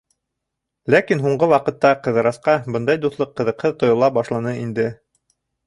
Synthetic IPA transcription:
lækinɦuɴɢɤwɑqɤ̆t̪ːɑqɤ̆ðɤ̆ɾɑsqɑbɤnd̪ɑjd̪uθlˠɤqːɤ̆ðɤ̆qhɤðt̪ŏjŏlˠɑbɑʃlˠɑnɤind̪ɘ

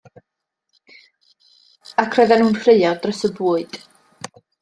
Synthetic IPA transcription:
akʰrɔðɛnhuːnkʰreɨadrəsəbuːɨd̥

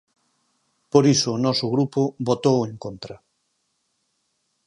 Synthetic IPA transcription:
poɾisʊːnɔsʊɣɾupʊbot̪owẽŋkont̪ɾɐ

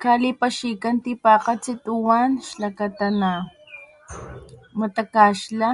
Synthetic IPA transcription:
kalipaʃikant̪ipaːqat͡sit̪uwanʃlakat̪ana | mat̪akaːʃla

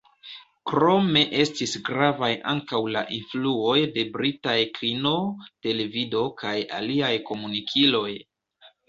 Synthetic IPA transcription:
kɾo̞me̞ʔe̞stisɡɾavajʔa̰ŋkawla̰ʔinfluo̞jde̞bɾitajkɾino̞te̞le̞vido̞kʰaja̰liajko̞munikʰilo̞j

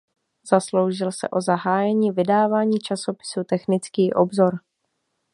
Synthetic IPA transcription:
z̥aslowʒɪlsɛ̰ʔo̞zaɦaːjɛɲiːvɪdaːvaːɲiːt͡ʃaso̞pɪ̥sut̪ɛxnɪt͡skiːʔobzo̞ɾ

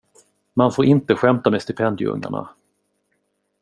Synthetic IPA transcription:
manfoːɾʔɪnt̪əɧɛmt̪ameːst̪ɪpʰɛnd̪ɪ̰ɵ̰ŋːa̰ɳa̰

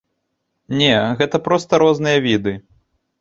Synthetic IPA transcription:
nʲɛɣɛt̪ɐpɾɔst̪ɐɾɔznɨjɐvʲid̪ɨ

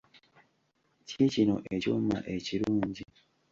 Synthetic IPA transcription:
cicino̞̰ʔe̞coːmma̰ʔe̞ciɾuːɲɟi

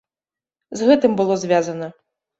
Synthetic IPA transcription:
zɣɛt̪ɨmbɨlˠɔzʲvʲjazɐnɐ

